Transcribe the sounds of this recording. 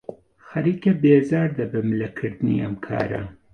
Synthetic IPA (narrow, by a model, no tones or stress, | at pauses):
xɐɾiːkɐbeːzaːɾd̪ɐbɨmɨlɐkʰɨɾd̪ɨnḭʔɐmkʰa̰ːɾɐ̰